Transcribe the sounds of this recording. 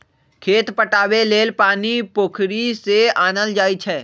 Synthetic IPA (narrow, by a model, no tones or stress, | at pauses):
kʰeːt̪pəʈaːweleːlpaːnipoːkʰɾiseaːnəld͡ʒaːit͡ʃʰɛː